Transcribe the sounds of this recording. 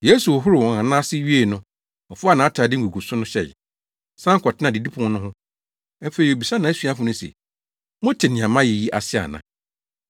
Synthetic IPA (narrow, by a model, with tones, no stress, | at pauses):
je˦su˨ɔ˨ɦʊ˦ɾɪ˨wɔ̃˨ã˨nã˦sɪ˦ɥi˦e˦˨nʊ̃˦ | ɔ˨fʊ˦a˦˨nãː˨a˦tʰaː˨dɪ˦ŋ˦ɡu˨ɡu˨sʊ˦nʊ̃˦ɕɛ̰˨ | sã˦ŋ˦kʰɔ˨tʰɪ˦nã˨dɪ˨di˦pʰʊ̃˨˦nʊ̃˦ɦʊ̃˦ | fe˨ɾi˨o˨bi˨sã˦nã˨˦sɥa˦fʊ̃˨nʊ̃˦sɛ̰˨ | mʊ̃˦tʰɪ˨nĩ˨ã˨mã˦jɛ˨ji˦ʔa˨sɪ˦a̰˨nã̰˨